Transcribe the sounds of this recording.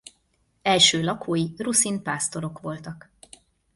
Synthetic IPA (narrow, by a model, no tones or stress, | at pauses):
ɛlʃøːlɒkʰoːjirusinpaːst̪o̞ɾo̞kʋo̞lt̪ɒk